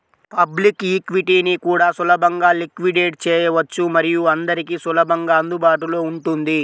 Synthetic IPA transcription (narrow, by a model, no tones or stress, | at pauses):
pɐblikikʋiʈiːnikuːɽaːsulɐbʱɐŋɡaːlikʋiɖeːʈt͡ʃɛːjɐʋɐt͡ʃːumɐɾijuɐnd̪ɐɾikisulɐbɐŋɡaːɐnd̪ubaːʈ̬ulo̞ːuɳʈund̪i